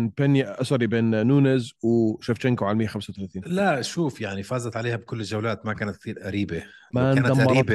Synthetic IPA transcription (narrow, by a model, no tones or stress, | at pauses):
npanjaʔʔɑsˤɑɾibeːnːuːnɪzwɪʃaft͡ʃɪŋkoʕalmɪjːaxamsawt̪alaːθiːnlaʃuːfjaʕnifaːzɑt̪ʕaleːhabkʊlːɪʒawlaːt̪makaːnat̪̚ːt̪ˤiːɾʔaɾiːbemanaːnd̪amʔaːɑɾˤɑbe